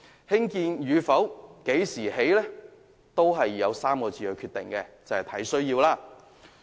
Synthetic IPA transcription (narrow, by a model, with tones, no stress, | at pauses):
hɪ˥ŋkiː˧njyː˨˧fɐ˨˥wke˨˥jsiː˨˩ɦe˨˥jlɛː˥ | t̪o˥wɦɐ˨jːɐ˨˧wsaː˥mkɔː˧t͡siː˧ɵ˨˧ɥkʰyː˧t̪ɪ˨˩ŋkɛː˧t͡sɐ˨˧whɐ˨˩t̪ʰɐ˨˥jsɵ˥ɥjiː˧wlaː˧